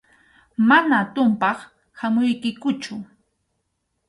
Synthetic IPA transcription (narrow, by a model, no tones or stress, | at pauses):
manat̪ʊmpɑχ | hamʊjkɪkʊt͡ʃʊ